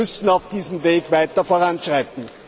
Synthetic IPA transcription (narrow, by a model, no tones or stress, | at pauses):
ʏsn̩aʊfd̥iːzəmveːɡvaɪtɐfoːɐʁanʃʁaɪtn̩